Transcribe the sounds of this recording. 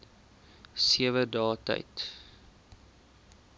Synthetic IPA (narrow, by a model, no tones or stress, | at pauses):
siəvədɑːtɐ̰jt